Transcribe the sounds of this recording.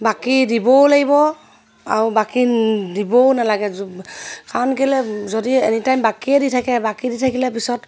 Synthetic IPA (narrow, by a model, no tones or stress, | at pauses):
bakidibɔlaɡibɔ | a̰ɹubakidibɔnalaɡɛ | kaɹɔnkɛlɛzɔdienitajmbakiɛditʰakɛbakiditʰakilɛpisɔt